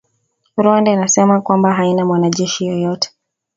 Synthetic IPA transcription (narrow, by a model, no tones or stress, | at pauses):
ɾɔndɛinasɛmakwambaɦainamwanaʄɛʃijɔjɔtɛ̥